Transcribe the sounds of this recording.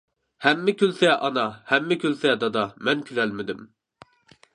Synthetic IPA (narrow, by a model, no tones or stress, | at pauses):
hɛmːɪkʲylsɛʔɑnɑhɛmːɪkʲʰylsɛd̪ɑd̪ɑmɛnkʲʰylɛlmɪd̪ɪm